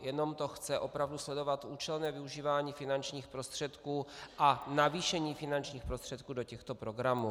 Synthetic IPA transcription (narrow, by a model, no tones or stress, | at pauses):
jɛno̞mt̪oxt͡sɛʔo̞pɾavduslɛdo̞vat̪ʔuːt͡ʃɛlnɛːvɪuʒiːvaːɲiːfɪnant͡ʃɲiːxpɾo̞st̪r̥ɛt̪kuːʔanaviːʃɛɲiːfɪnant͡ʃɲiːxpɾost̪r̥ɛt̪̚kuːdo̞cɛxt̪o̞pɾo̞ɡɾamuː